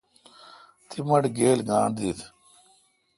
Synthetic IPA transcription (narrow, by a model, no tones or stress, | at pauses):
t̪ʰimɐʈɡeːlɡaːɳd̪it̪